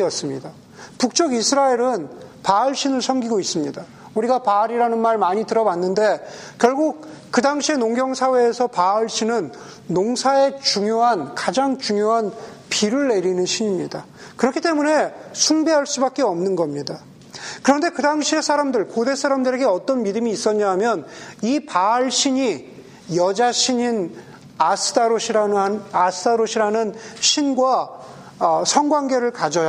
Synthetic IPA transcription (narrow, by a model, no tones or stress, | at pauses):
iʌs͈ɯmɲida | puk̚t͡ɕ͈ʌɡisʰɯɾaeɾɯnpaɯɭɕʰinɯɭsʰʌmɡiɡois͈ɯmɲida | uɾiɡapaːɾiɾanɯnmaɭmaɲitɯɾʌwanːɯnde̞kjʌɭɡuk̚kɯdaŋɕʰie̞noŋɡjʌŋsʰawe̞ːsʰʌpaɯɭɕʰinɯnː | oŋsʰae̞t͡ɕuŋjoɦankad͡ʑaŋt͡ɕuŋjoɦan | piɾɯɭːe̞ɾinɯnɕʰiɲimɲida | kɯɾʌkʰit͈e̞mune̞sʰuŋbeɦaɭs͈ubak͈̚e̞ʌmnɯnɡʌmɲida | kɯɾʌnde̞kɯdaŋɕʰie̞sʰaɾamdɯɭkode̞sʰaɾamdɯɾe̞ɡe̞ʌt͈ʌnmidɯmiːs͈ʌɲaɦamjʌnipaɭɕʰiɲi | jʌd͡ʑaɕʰiɲin | asʰɯdaɾoɕʰiɾaasʰɯdaɾoɕʰiɾanɯnɕʰinɡwa | sʰʌŋɡwaŋɡe̞ɾɯɭkad͡ʑʌja